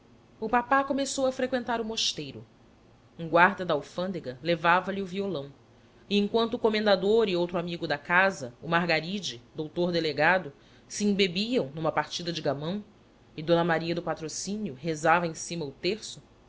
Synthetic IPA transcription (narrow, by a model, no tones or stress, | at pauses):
ʊpapakomesowɐfɾekwẽnt̪aɾʊmoʃt̪ejɾʊ | ũɡwaɾd̪ɐd̪ɐawfɐ̃nd̪eɡɐlevavɐliʊviolɐ̃w̃ | ɪẽŋkwɐ̃nt̪ʊukomẽnd̪ad̪oɾɪowt̪ɾʊamiɡʊd̪ɐkazɐʊmaɾɡaɾid͡ʒɪd̪owt̪oɾd̪eleɡad̪ʊ | siĩbebiɐ̃w̃nũmɐpaɾt͡ʃid̪ɐd͡ʒɪɡamɐ̃w̃ | ɪd̪õnɐmaɾiɐd̪ʊpat̪ɾosĩnjʊɦezavɐẽsĩmɐʊt̪eɾsʊ